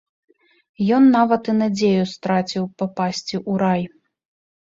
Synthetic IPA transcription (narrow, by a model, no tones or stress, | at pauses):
jɔnːavɐt̪ɨnad͡zʲejust̪ɾat͡sʲiwpapasʲt͡sʲiʔuɾaj